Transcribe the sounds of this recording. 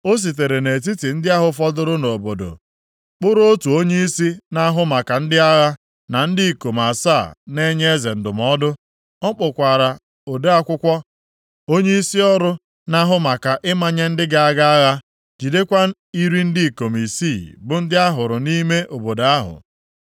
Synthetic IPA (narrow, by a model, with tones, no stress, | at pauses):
o˦s̬i˨t̬e˨ɾe˨ne˨t̬i˦ti˨n̩˦dɪ˦a˦ɦʊ˨fɔ˦dʊ˦ɾʊ˦no˨bo˨do̰˨ | k͡pʊ˦ɾo˦o˦tu˨o˦ɲe˦i˦si˦na˦ɦʊ˦ma˨ka˨n̩˦dɪ˦a˦ɣa˦ | na˨n̩˦dɪ˦i˨ko˨ma˨saː˦˨ne˦ɲe˦e˦ze˨n̩˨dʊ˨mɔ˦dʊ˦ | ɔ˦k͡pʊ˨kʷa˨ɾa˨ | o˨de˦a˦kʷʊ˦kʷɔ˦ | o˦ɲe˦i˦si˦ɔ˦ɾʊ˦ | na˦ɦʊ˦ma˨ka˨ʔɪ˦ma˨ɲe˦n̩˦dɪ˦ɡa˦a˦ɡa˦a˦ɣa˦ | d͡ʒi˨de˦kʷa˦ | i˦ɾi˦n̩˦di˦˨ko˨mi˨si˦˨bʊ˨n̩˦dɪ˦a˦ɦʊ˨ɾʊ˨ni˦me˦ʔo˨bo˨da˦ɦʊ̰˨